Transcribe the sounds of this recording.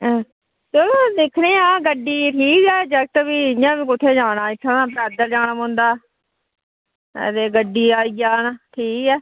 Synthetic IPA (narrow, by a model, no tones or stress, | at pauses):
selõːd̪eːkʰneːãːɡəɖːiːʈʰiːkɛːd͡ʒək̚t̪əbiːɪjãːbiːkʊt̪ʰeːd͡ʒaːɽãːɪkʰːaaːpɛːd̪əɾd͡ʒaːnamõːnd̪aː | t̪eːɡəɖːiːaːiːd͡ʒaːnaːʈʰiːkɛː